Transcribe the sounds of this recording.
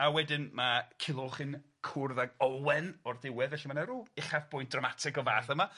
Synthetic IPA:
awɛdɪnmakʰɪlˠʊlˠχɨn | kʰʊrðaɡɔwɛnɔrdɪwɛðvɛɬimanaɾuːɪχavb̥ʊjnd̥ramatʰɪɡɔvaːθəma

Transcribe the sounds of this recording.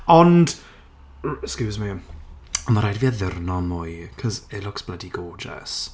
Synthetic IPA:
ɔnd̥ | skuːzmi | əmaɾajdviːaðɪrnɔmʊjkʰɔzɪlʊksb̥lədiɡ̥oːd͡ʒɛ̰s

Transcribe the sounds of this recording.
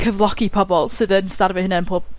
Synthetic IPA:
kʰəvlˠɔkipʰɔbɔlˠsɨðənstarvɨhənɛnpʰoːb̥̚

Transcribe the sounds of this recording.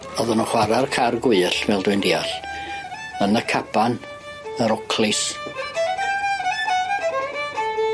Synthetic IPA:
ɔðənuχwaɾarkʰarɡwʊɬvɛlˠdʊɨndiaɬ | ənəkʰapan | əɾɔkʰlɪs

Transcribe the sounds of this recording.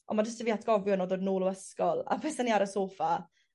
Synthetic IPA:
ɔ̰mad͡ʒəstəviːatʰɡ̥ɔvjɔnɔdoːdnoːlˠoəskɔlˠa̰vɛsaniaɾəsoːfa

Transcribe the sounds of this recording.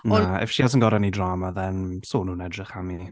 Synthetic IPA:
nɔaɛ̰fʃias̬ənɡɔɾanidraːmaðɛnsoːnuːnɛdrɪχami

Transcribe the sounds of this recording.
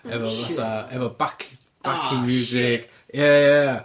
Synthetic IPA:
ɛvɛlˠvaθaɛvɛlˠbakʰ | b̥akʰɪmjuːzɪk | jaja

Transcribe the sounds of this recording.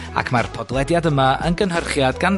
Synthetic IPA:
a̰kʰma̰rpʰɔdlˠɛdjadəmaʔənɡənɦərχjadɡan

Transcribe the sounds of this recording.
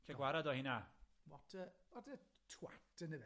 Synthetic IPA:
kʰɛɡwaɾadɔhinawɔtʰəwɔdə | tʰwa̰tʰənə

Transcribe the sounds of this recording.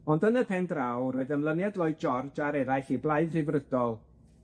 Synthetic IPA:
ɔndənəpʰɛndrawɾoɨðəmlˠənjadlˠoɨd̚d͡ʒɔrd͡ʒaɾɛɾaɬiblˠaɨðɪvrədɔlˠ

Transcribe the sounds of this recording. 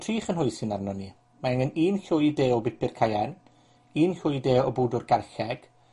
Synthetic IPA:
tʰriːχənɦʊjsɪnarnɔni | maəŋɪniːnɬʊjdeːɔbɪpɪrkʰajan | iːnɬʊdeːɔbuːdʊrɡarɬɛɡ̥

